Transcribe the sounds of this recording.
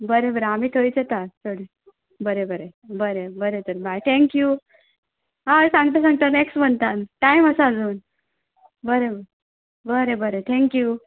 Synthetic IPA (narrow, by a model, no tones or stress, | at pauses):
bəɾebəɾeamiːt̪ʰoit͡set̪at̪ʰoɽi | bəɾebəɾebəɾebəɾet̪əɾbajt̪ʰẽŋkju | ɦaəsãŋɡt̪asãŋɡt̪aneksməɳt̪anʈaiməsad͡zuːn | bəɾebəɾe | bəɾebəɾet̪ʰẽŋkju